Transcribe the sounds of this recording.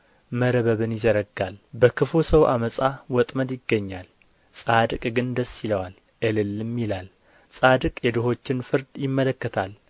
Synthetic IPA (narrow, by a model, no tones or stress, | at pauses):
məɾəβəβɨnjɪzəɾəɡalbəkʰɨfusəwʔa̰məsʼawɔt̪ʼməd̪jɪɡːəɲːal | sʼad̪ɨkʼɡɨnd̪əsːiləwal | ʔəlɨlɨmːilal | sʼad̪ɨkʼjɛd̪ɨɦo̞t͡ʃːɪnfɨɾd̪jɪmːələkːət̪ʰal